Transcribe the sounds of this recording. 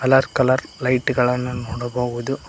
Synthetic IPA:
ɐlɐɾkɐlɐɾlɐjʈɡɐɭɐnːunoːɽɐboːɡud̪u

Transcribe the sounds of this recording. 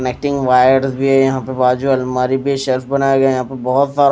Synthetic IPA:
əneːk̚ʈɪ̃ŋɡʋaːjəɾzbʱiɦɛjɐɦãpebaːd͡ʒuɐlmaːɾibʱiʃɛlfbɐnaːjaɡajɐɦãpebɔːʊt̪saːɾ

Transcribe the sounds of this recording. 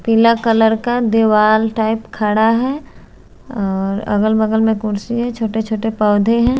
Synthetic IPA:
pilakɐləɾkad̪eʋaːlʈaːɪpkʰaɽaɦɛ | ɔːɾɐ̰ɡəlbəɡəlmẽkʊɾsiɦɛt͡ʃʰoːʈet͡ʃʰoːʈepɔːd̪ʱeɦɛ̃ː

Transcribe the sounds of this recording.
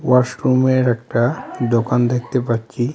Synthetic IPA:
wasʈɾumeɾɛkʈad̪okand̪ek̚ʰt̪epaɾt͡ʃi

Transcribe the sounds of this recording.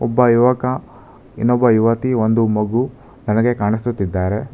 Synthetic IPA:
ɔbːɐjuʋɐkɐ | ḭnːɔbːɐjuʋɐt̪iond̪umɐɡu | nɐnɐɡe̞kaːɳist̪ut̪ːid̪ːaːɾe̞

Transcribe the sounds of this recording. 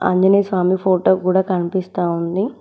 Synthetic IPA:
ɐ̰ɲd͡ʒɐnesʋaːmipʰoːʈoːkuːɽaːkɐnipist̪aːund̪i

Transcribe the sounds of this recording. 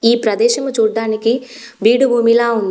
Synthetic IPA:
iːpɾɐd̪ɛːʃɐmut͡ʃuːɖːaːniki | biːɽubʱuːmilaːund̪i

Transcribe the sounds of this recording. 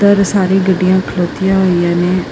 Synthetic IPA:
t̪əɾsaːɾeːɡəɖːɪjãːkʰəloːt̪ɪjãːɦoːijãːneː

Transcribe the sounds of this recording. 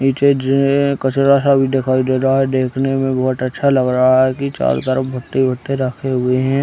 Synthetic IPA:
iːt͡ʃed͡ʒkət͡ʃɾasabʱid̪ekʰaːid̪eːɾɦaɦɛd̪eːkʰnemẽbɔːt̪ətːʃʰalɐɡɾəɦaɦɛkit͡ʃa̰ːlt̪əɾəpbʱəʈ̪ːibʱət̪ːeɾɐkʰeɦʊeɦɛ̃ː

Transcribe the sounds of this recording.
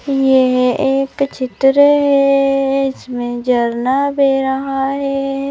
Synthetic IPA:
jeɦeːkt͡ʃɪt̪ɾəɦɛɪsmẽd͡ʒɐɾnabeːɾəɦaɦɛ

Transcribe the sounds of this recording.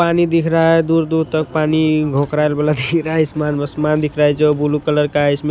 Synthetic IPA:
panid̪ikʰɾaɦed̪uɾd̪uɾ̚t̪ək̚paniɡʱõkɾaelbelad̪ʱikʰɾaɦɛsmanbəsmand̪ikʰɾaɦɛt͡ʃeobulukələɾkaisme

